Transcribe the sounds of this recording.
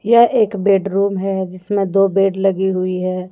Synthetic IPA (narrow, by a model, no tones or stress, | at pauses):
jɐʔeːkbeːɖɾuːmɦɛd͡ʒɪsmẽd̪oːbeːɖlɐɡiɦʊiɦɛː